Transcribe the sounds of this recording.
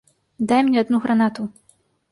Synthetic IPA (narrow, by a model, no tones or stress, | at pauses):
d̪ajmnʲɛad̪nuɣɾanat̪u